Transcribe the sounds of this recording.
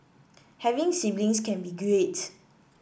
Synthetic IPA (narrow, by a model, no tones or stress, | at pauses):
hɛvɪ̃ŋsiblĩŋskɛ̃nbiɡɹet